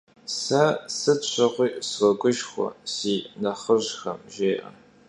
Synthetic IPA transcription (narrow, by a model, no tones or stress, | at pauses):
sɐsɨt͡ɕʷʰɐʁʷiːʔswɐɡʷʼʊʒxʷɔ̰siːnɐχəʑxɐmʒeːʔɐ̰